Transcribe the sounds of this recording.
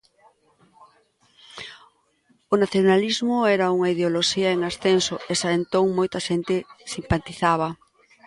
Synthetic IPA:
onaθjonalizmʊɛɾauŋaiðeoloʃiɐeŋasθensoesaent̪oŋmojt̪ɐʃent̪ɪsimpat̪iθaβ̞ɐ

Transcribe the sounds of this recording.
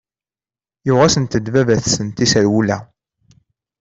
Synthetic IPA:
jʊʁæsənt̪əd̪vævæθsənt̪isæɾwulæ

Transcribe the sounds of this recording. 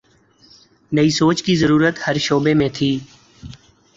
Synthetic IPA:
nəisoːt͡ʃkizəɾuːɾət̪həɾʃoːbemẽt̪ʰiː

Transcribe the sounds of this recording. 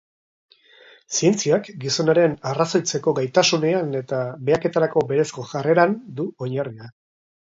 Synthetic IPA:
sie̞nt͡siakɡiso̞naɾe̞naraso̞jt͡se̞ko̞ɡajt̪asune̞ane̞t̪abe̞ake̞t̪aɾako̞be̞ɾe̞sko̞ʝare̞ɾand̪uo̞ɲaria

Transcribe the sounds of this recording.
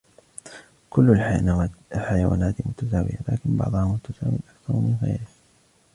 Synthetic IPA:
kʊlːal | lħajawa̰ːnaːt̪mʊt̪azaːwɪ̰jala̰ːkɪnbɑ̰ʕd̪ˤhamʊt̪azaːwɪ̰ʔakθɑɾˤmɪnɣḛjɾɪf

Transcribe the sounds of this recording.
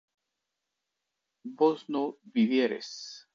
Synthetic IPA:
boznoβiβjeɾḛs

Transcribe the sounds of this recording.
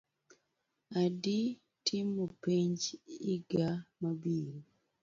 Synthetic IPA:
adi | tʰimːopiɲd͡ʒiɡamabiɾi

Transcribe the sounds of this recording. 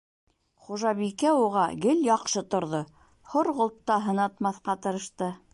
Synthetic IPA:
χuʒɑβikæuʁɑɡɘljɑqʃɤt̪ŏɾðo | hoɾʁŏlˠt̪ːɑɦɤ̆nɑt̪mɑθqɑt̪ɤ̆ɾɤ̆ʃt̪ɤ

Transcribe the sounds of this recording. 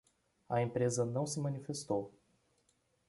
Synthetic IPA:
ɐẽpɾezɐnɐ̃w̃sɪmɐ̃nifest̪ow

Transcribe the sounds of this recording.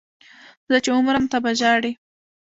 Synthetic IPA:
zət͡ʃeʊmɾamt̪abaʒɑɽi

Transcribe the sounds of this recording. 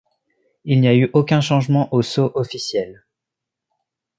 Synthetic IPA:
ilnijayʔokʲɛ̃ʃɑ̃ʒmɑ̃ʔosoʔɔfisjɛl

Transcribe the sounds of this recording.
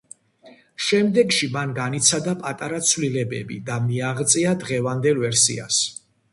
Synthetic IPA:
ʃɛmd̪ɛɡʃimanɡanit̪sʰad̪apʼat̪ʼaɾat̪sʰvlilɛbɛ̰bḭd̪amiaʁt̪sʼiad̪ʁɛvand̪ɛlvɛɾsḭa̰s

